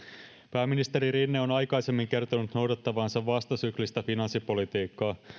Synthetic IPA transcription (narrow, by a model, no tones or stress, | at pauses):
pæːmːinist̪e̞ɾiɾinːeo̞nɑjkɑjse̞mːiŋk̟e̞rt̪onut̪no̞wdɑt̪ːɑʋɑːnsɑʋʋɑst̪ɑsyklist̪æfinɑnsːipo̞lit̪iːkːɑː